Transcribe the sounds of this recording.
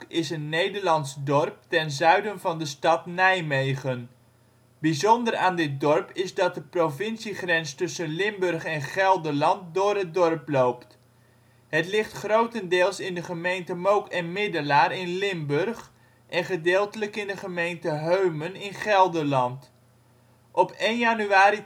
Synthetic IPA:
ɪsənːejdəɹlɑnsdɔrp̚tɛnzœɥdənvɑndəstɑtnɛjmejχən | bizɔndəraːndɪt̚dɔrpɪzdɑt̚dəprovɪnsiχrɛnstɵsənlɪmbɵrχɛnχɛlˠdəlɑnt̚dʊːrɦət̚dɔrplowpt | ɦətlɪχtχrowtəndɪːlˠsɪndəχəmejntəmowkɛnmɪdəlaːrɪnlɪmbɵrχ | ʔɛnχədɪːlˠtələkɪndəχəmejntəɦøɥmənɪnχɛlˠdəlɑnt | ʔɔpejnjanyaːɾi

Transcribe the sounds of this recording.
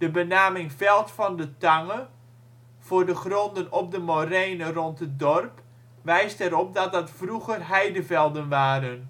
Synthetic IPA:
d̥əbənaːmɪŋfɛlˠtfɑndətaŋə | v̥ʊːrdəχrɔndənɔp̚dəmorejnərɔntət̚dɔrp | ʋɛjstɛɾɔp̚dɔt̚dətfruɣərɦɛjdəvɛlˠdənʋaːɾən

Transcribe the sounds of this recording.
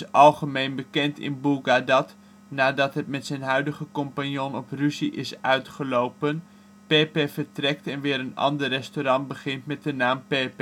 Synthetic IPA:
ɑlˠχəmejnbəkɛntɪ̰nbuɡadɑt | naːdɑtɦɛtmɛtsɛjnɦœɥdəχəkɔmpanjonɔpryziʔɪsœɥtχəlowpən | peːpefəɹtrɛk̚tɛnʋɪːɾənɑ̰ndərːɛstoɾɑntbəχɪntmɛt̚dənaːmpep

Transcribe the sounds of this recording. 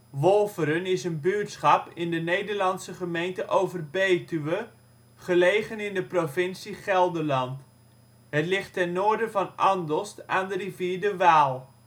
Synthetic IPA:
ʋɔlˠvəɾənɪsənbyːtsχɑpɪndənejdəɹlɑnsəχəmejntəʔowvərbejtyʋə | χəlejχənɪndəprovɪnsiχɛlˠdəɹlɑnt | ɦətlɪχtɛnːoːɹdəvɑnɑndɔstaːndəriviːɹdəʋaːlˠ

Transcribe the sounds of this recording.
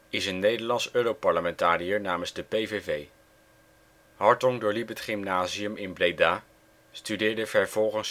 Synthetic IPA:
ɪsənːejdəɹlɑnsøːɾowpɑɹləmɛntaːɾijəɹnaːmənzdəpejvevej | ɦɑɹtɔŋdʊːɹlipɦətχɪmnaːziəmɪnbrejdaː | stydɪːɹdəvɛɹv̥ɔlˠχəns

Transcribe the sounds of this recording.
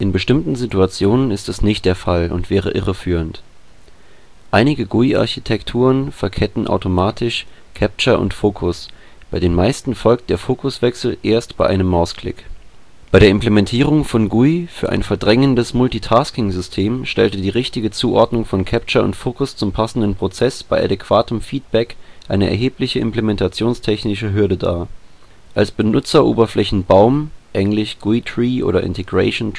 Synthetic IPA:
ʔɪnbəʃtɪmtn̩zituat͡sjoːnənɪstɛsnɪçt̚d̥eːɐfalʊ̰ntv̥ɛːʁ̞əʔɪʁəfyːʁ̞ənt | ʔaɪnɪɡəɡuiʔa̰ɐçitʰɛktʰuːʁənfɛɐkʰɛtn̩ʔa̰ʊtomaːtʰɪʃkʰɛp̚t͡ʃɐʔʊ̰ntfoːkʰʊs | b̥aɪɾeːnmaɪstn̩fɔlk̚t̚d̥eːɐfoːkʰʊsv̥ɛksl̩ʔeːɐstb̥aɪʔaɪnəmːaʊskl̥ɪ̰k | b̥aɪɾeɐʔɪmplemɛntʰiːʁ̞ʊŋfɔnɡuifyːɐʔa̰ɪnfɛɐdʁɛŋəndəsmʊltiːtʰaːskɪŋzʏstʰeːmʃtɛ̰ltədiːʁɪçtɪɡət͡suːʔɔɐdnʊŋfɔnkʰɛpt͡ʃɐʊ̰ntfoːkʊst͡sʊmpʰasn̩dənpʁ̥ot͡sɛsb̥aɪʔa̰dɛkv̥aːtəmfiːt̚b̥ɛkʔaɪnəʔɛ̰ɐɦeːplɪçəʔɪ̰mplemɛntʰat͡sjoːnstʰɛçnɪʃəɦʏɐdəda̰ː | ʔalsb̥ənʊt͡sɐʔo̰ːbɐflɛçn̩baʊmʔɛŋlɪçɡ̥uitʁ̥iːʔo̰ːɾɐʔɪ̰ntʰeɡʁɛ̰ɪʃon

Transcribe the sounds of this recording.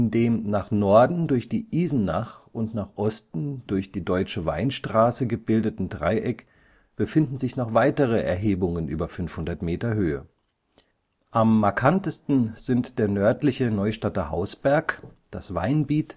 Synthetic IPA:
ʔɪndeːmnaːχnɔɐdn̩dʊɐçd̥iːʔiːzn̩naχʊntnaːχʔɔstn̩d̥ʊɐçd̥iːdɔʏt͡ʃəva̰ɪnʃtʁ̥aːsəɡəbɪldətn̩dʁa̰ɪʔɛk | b̥əfɪndn̩zɪçnɔχv̥aɪtəʁ̞əʔɛ̰ɐɦeːbʊŋənʔy̰ːbɐfʏnfhʊndɐtmeːtɐɦøːə̰ | ʔamːaɐkʰantəstn̩z̥ɪntd̥eːɐnœɐtlɪçənɔʏʃtatɐha̰ʊsb̥ɛɐk | d̥a̰sv̥a̰ɪnbiːt

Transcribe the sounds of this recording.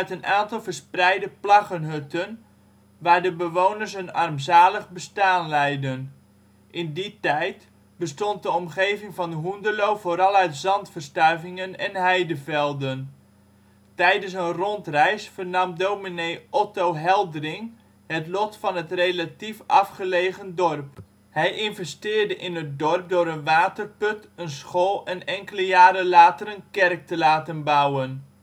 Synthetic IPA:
œɥtənʔaːntɑlˠvərsprɛjdəplɑχənɦøtən | ʋaːɹdəbəʋownərs̬ənɑ̰rmzaːləχbəstaːnlɛjdən | ʔɪnditɛjt | bəstɔnt̚dəɔmχeːvɪŋvɑndəɦundəlowvoːɾɑlˠœɥtzɑntfərstœɥvɪŋənɛnɦɛjdəvɛlˠdən | tɛjdəns̬ənrɔntrɛjsfərnɑmdowminejʔɔtowɦɛlˠdrɪŋ | hətlɔtfɑnɦətrelatifʔɑfχəlejχəndɔrp | hɛjʔɪnvɛstɪːrdəʔɪnət̚dɔrp̚dʊːɾənʋaːtərpɵtənsχoːlˠɛnɛŋkələjaːɾəlaːtərənkɛrk̚təlaːtənbawən

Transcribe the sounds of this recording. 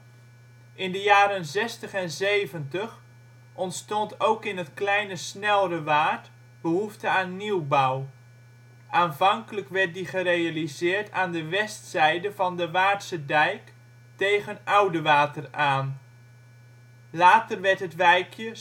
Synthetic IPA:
ʔɪndəjaːɾənzɛstəχɛnzejvəntəχ | ʔɔntstɔntowkɪnɦətklɛjnəsnɛlˠrəʋaːt | bəɦuftəaːnːiwbaw | aːnvɑŋkələkʋɛɹt̚diχərejalizɪːɹtʰaːndəʋɛstsɛjdəvɑndəʋaːtsədɛjk | tejɣənawdəʋaːtəraːn | laːtərʋɛɹtɦətʋɛjkʰjə

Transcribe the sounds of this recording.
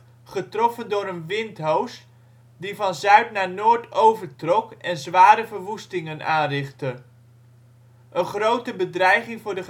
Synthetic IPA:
χətrɔfəndʊːɾənʋɪntɦowst | divɑnzœɥtnaːnʊːɹtowvəɹtrɔkɛnzʋaːɾəvəɹʋustɪŋənaːnrɪχtə | ʔənχrowtəbədrɛjχɪŋvʊːɹdəχ

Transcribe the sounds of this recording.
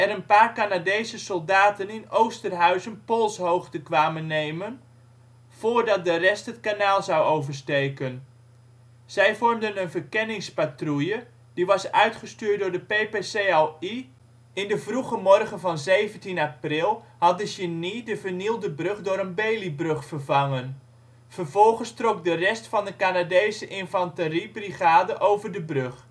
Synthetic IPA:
ɛɾənpaːrkanadejsəsɔlˠdaːtənɪnowstərɦœɥsənpolˠshowxtəkʋaːmənːejmən | v̥oːrdɑt̚dərɛsthətkanaːlˠzɑwowvərstejkən | z̥ɛjvɔrmdənənvərkɛnɪŋspatrujə | d̥iʋɑsœ̰ɥtχəstyːrt̚dʊːɹdəpepesei | ɪndəvruχəmɔrχənvɑnzejvəntinaprɪlˠ | hɑt̚dəʃənidəvərnilˠdəbrøχdʊːɾənbejlibrøχfərvɑŋən | v̥ərvɔlˠχənstrok̚dərɛstfɑndəkanadejsəʔɪnfɑntəribriχaːdəʔowvərdəbrøχ

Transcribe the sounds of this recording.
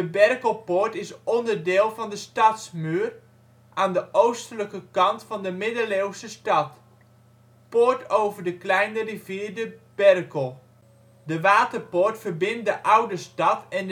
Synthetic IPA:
dəbɛrkəl̩ˠpoːɹtɪsɔndərdɪːlˠfɑndəstɑtsmyːər | ʔaːndəʔowstələkəkɑntfɑndəmɪdəleːwsəstɑt | poːɹtʰowvərdəklɛjnəriviːərdəb̥ɛrkəlˠ | dəʋaːtərpoːɹtfərbɪnt̚dəʔawdəstɑtɛn

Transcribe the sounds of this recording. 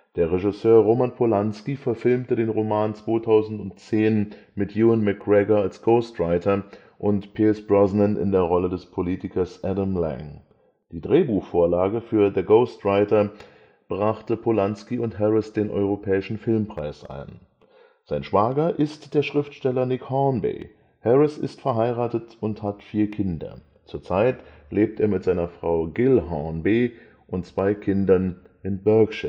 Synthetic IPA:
d̥eːɐʁɛʒɪsøːɐʁoːmanpʰolanskifɛɐfɪlmtədeːnʁomaːnt͡sv̥oːtʰaʊzn̩tʊntt͡seːn | mɪtʰjuːənmɛkʁɛɡɐalsɡ̥oʊstʁaɪtɐ | ʔʊntpʰiːlsb̥ʁɔznənɪ̰ndeːɐʁɔlədɛspʰoliːtɪkɐsʔɛdamlɛ̰ŋ | d̥iːdʁeːbuːxfoːɐlaːɡəfyːɐðəɡoʊstʁaɪtɐ | b̥ʁaχtəpʰolanskiʊntɦɛʁɪsd̥eːnʔɔ̰ʏʁ̞opʰɛːɪʃn̩fɪlmpʁ̥aɪsʔa̰ɪn | z̥aɪnʃv̥aːɡɐʔɪstd̥eːɐʃʁ̥ɪftʃtɛlɐnɪkhɔːnbḛː | hɛʁɪsɪ̰stfɛɐɦaɪʁaːtətʊnthatfiːɐkʰɪndɐ̰ | t͡suːɐt͡saɪt | leːp̚teːɐmɪtz̥aɪnɐfʁ̥aʊɡɪlɦɔnbeː | ʔʊntt͡sv̥aɪkʰɪndɐn | ɪnbœɐkʃɪ

